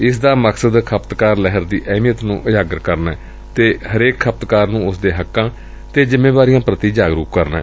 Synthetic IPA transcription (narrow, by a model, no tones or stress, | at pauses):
ɪsd̪aːməksəd̪kʰəpt̪kaːɾlɛɦəɾd̪iːʔɛːmijət̪nũːʔəjaːɡəɾkəɾnɛː | t̪eːhəɾeːkʰːəp̚t̪kaːɾnũːʊsd̪eːɦəkːãː | t̪eːd͡ʒɪmːeːbaːɾijãːpɾət̪iːd͡ʒaːɡɾuːkkəɾnɛ̰ː